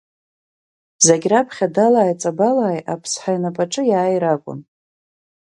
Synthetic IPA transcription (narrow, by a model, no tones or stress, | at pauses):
zaɡʲrapʰχʲadalaːjt͡sʼabalaːjapʰsħajnapʼaʈ͡ʂʼɨjaːjɾakʷʼʊ̰n